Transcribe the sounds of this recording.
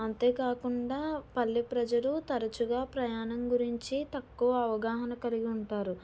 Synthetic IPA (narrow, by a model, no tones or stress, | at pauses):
ɐnt̪e̞ːkaːkuɳɖaːpɐlːipɾɐd͡ʒɐlut̪ɐɾɐt͡ʃuɡaːpɾɐjaːnɐmɡuɾiɲt͡ʃit̪ɐkːuʋɐɐʋɐɡaːɦɐnɐkɐliɡiuɳʈaːɾu